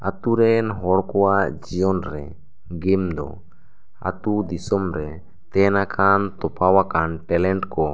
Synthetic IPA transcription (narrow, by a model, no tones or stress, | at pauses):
a̰t̪uɾɛnɦɔɾkɔad͡ʒiɔnɾɛ̰ | ɡɛmd̪ɔ̰ | a̰t̪ud̪isɔmɾɛ | t̪ɛnakʰant̪ɔpawakanpɛlɛnʈkɔ